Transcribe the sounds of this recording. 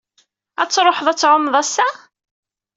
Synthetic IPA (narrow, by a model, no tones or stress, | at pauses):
æt͡sːɾˤoħðˤæt͡sːʕʊmðˤæsːæ